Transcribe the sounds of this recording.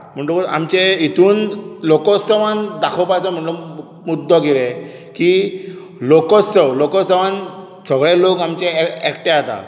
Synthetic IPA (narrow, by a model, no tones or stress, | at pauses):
m̤əɳʈoka̰mt͡ɕeit̪uːnlokɔsəʋãnd̪akʰɔpajsam̤əʈlɔ | mud̪ʱːɔɡiɾe | ki | lokɔsəwlɔkɔsəʋan | səɡɭelokamt͡ɕeɛkʈẽat̪a̰